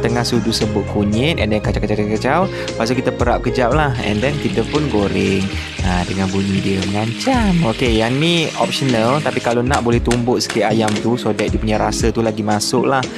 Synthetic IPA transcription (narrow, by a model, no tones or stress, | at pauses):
t̪əŋahsud͡ʒusəbʊt̪̚kuɲɪt̪̚ɛndɛnkat͡ʃakat͡ʃat͡ʃakat͡ʃaw | pas̬əkit̪əpəɾap̚kəd͡ʒap̚lahɛ̰̃ndɛnkit̪əpʊnɡoɾɪŋ | adəŋanbuɲidiəməŋaɲt͡ʃamokejaŋniʔɔp̚ʃənalt̪apikalonaʔbolɛht̪umbʊʔ̪sə̥kɪʔ̪ajamt̪usodɛʔ̚diəpuɲaɾasət̪ulaɡimasʊʔlah